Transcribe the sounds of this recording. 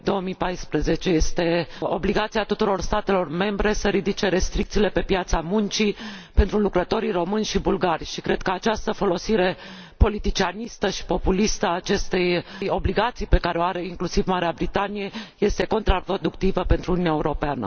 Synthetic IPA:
d̪o̞wəmijpajspɾəze̞t͡ʃe̞je̞st̪e̞o̞bliɡat̪siat̪ut̪uɾo̞rst̪at̪e̞lo̞rme̞mbɾe̞səɾid̪it͡ʃe̞ɾe̞st̪ɾikt̪siːle̞pe̞pjat̪samunt͡ʃipe̞nt̪ɾulukɾət̪o̞ɾiro̞mɨnʲʃibulɡarʲʃikɾe̞d̪̚kəat͡ʃast̪əfo̞lo̞siɾe̞ | po̞lit̪it͡ʃianist̪əʃi̥po̞pulist̪əaːt͡ʃe̞st̪ejjo̞bliɡat̪sijpe̞kaɾeoaɾe̞iŋklusivmaɾeabɾit̪anije̞je̞st̪e̞ko̞nt̪ɾapɾo̞d̪ukt̪ivəpe̞nt̪ɾuːnunaeuɾo̞peanə̰

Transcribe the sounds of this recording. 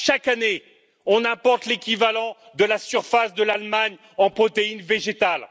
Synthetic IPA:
ʃakane | ɔ̃nɛ̃pɔʁt̪lekʲivalɑ̃ | d̪əlasyʁfasd̪əlalmaɲ | ɑ̃pχɔt̪einveʒet̪al

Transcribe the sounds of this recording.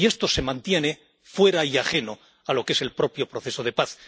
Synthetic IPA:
ie̞st̪o̞se̞mãnt̪je̞ne̞ | fwe̞ɾaiaχe̞no̞ | alo̞ke̞se̞lpɾo̞pjo̞pɾo̞θe̞so̞ð̞e̞paθ

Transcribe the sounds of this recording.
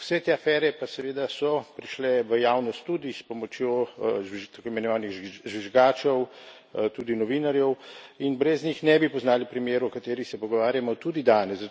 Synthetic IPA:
wsɛt̪eːafɛɾɛpasɛʋeːd̪asɔpɾiʃlɛʋəjaːwnɔst̪ːud̪ispɔmɔt͡ʃjoʒt̪akoimɛnɔʋaːniɣʒʋiʒɡaːt͡ʃɛw | t̪ud̪inɔʋinaɾjɛwinbɾɛznɲixnɛbipɔznaːlipɾimjeːɾuɔkat̪eːɾixsɛpɔɡɔʋaːɾjamɔt̪ud̪id̪aːnɛsz

